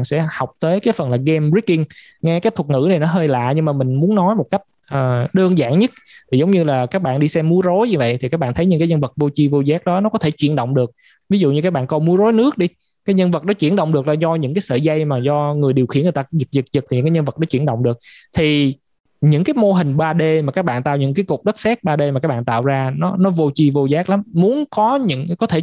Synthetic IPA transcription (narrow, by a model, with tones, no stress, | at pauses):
nsɛ̰˧˥ha˨˩wk͡p̚t̪əː˨˦jkaː˨˦jfə˨˩nlaː˨˩ɣɛ˧mɹi˦˥kːi˧ŋ | ŋɛ˧kaː˦jt̪̚ʰŋɨ̰˧˥na˨˩jnɔ˨˦ɦəː˧jla̰ː˧˨ɲɨ˧ŋmaː˨˩mï˨˩ŋ̟mu˨˦ənːɔ˨˦jmo˨˩t̚ka˦˥jk̟̚ʔəː˨˩ɗəː˧ənza̰ː˧˨ŋɲə˦˥t̚t̪ʰi˨˩zə˨˦wŋ͡mɲɨ˧laː˨˩kaː˦˥k̚ɓa̰ː˧˨nɗi˧sɛ˧mːu˨˦əzo˨˦jɲɨ˧və̰˧˨jt̪ʰi˨˩kaː˦˥k̚ɓaː˧˨nt̪ʰə˨˦jɲɨ̰˧kaː˨˦jɲə˧nvə˨˩t̚vo˧t͡ɕi˧vo˧zaː˦˥k̚ɗɔ˨˦nɔ˨˦kɔ˨˦t̪ʰe˧˩t͡ɕwḭ˧˨ənɗə̰˧˨wŋ͡mɗɨ˨˩ək̚ | vi˨˦zṵ˧˨ɲɨ˧kaː˦˥k̚ɓaː˧˨nkɔ˧mu˨˦əzo˨˦jnɨ˦˥ək̚ɗi˧ | kaː˨˦jɲə˧nvə˨˩t̚nɔ˨˦t͡ɕwi˧˩ənɗo̰˧˨wŋ͡mɗɨ˨˩ək̚laː˨˩zɔ˧ɲɨ̰˧˥ŋkaː˨˦jsə̰ː˧˨za˧jmaː˨˩zɔ˧ŋɨ˨˩jɗi˨˩əwxi˧˩ənŋ˨˩t̪a˧zɨ˨˩t̚zɨ˨˩zɨ˨˩k̪̚ʰi˨˩ɨ̰˧˥ŋkːɲə˧nvə˨˩ɗɔ˨˦t͡ɕwi˧˩ənɗə̰˧˨wŋ͡mɗɨ˨˩ək̚t̪ʰi˨˩ | ɲɨ̰˧˥ŋkaː˨˦jmo˧ɦï˨˩ŋ̟ɓaː˧ɗe˧maː˨˩kaː˦˥k̚ɓa̰ː˧˨nt̪a̰˧˨wɲɨ̰˧˥ŋkaː˨˦jku˨˩k͡p̚ɗə˦˥t̚sɛː˦˥k̚ɓaː˧ɗe˧ma˨˩aː˦˥ɓa̰ː˧˨nt̪a̰ː˧˨wzaː˧nɔ˨˦nɔ˨˦vo˧t͡ɕi˧vo˧zaː˦˥k̚la˨˦mːu˨˦ənkɔ˨˦ɲɨ̰˧˥ŋkɔ˨˦t̪ʰe˧˩